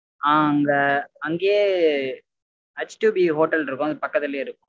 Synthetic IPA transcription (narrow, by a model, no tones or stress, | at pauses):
aːɐŋɡɐɐŋɡeː | ɐt͡ʃʈuːbiɦoːʈɐlɪɾɯkːʊ̃ɐðɯpɐkːɐt̪ːɪleːɪɾɯkːʊ̃